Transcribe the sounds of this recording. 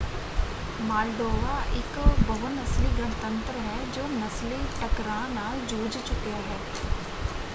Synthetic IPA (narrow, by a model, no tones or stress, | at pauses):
maːlɖoːʋaʔɪkbɐɦʊnɐsliɡənt̪ə̃nt̪ɾəɦɛd͡ʒoːnɐsliʈɐkɾãːnaːld͡ʒoːd͡ʒt͡ʃʊkjaɦɛː